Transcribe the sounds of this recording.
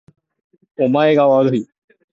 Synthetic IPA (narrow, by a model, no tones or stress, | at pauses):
omaekaʋazɦiː